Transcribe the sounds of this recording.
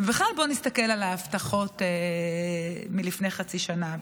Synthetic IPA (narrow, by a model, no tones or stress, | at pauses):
veχlalbonist̪ɐkelalaːft̪aχo̞te | milifnejχat͡siʃana